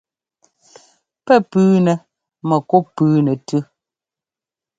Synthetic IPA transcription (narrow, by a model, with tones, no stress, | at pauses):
pɛ˦˨pʉː˨˦nɛ˨ | mɛ˨ko˦pʉː˦nɛ˨tʉ˦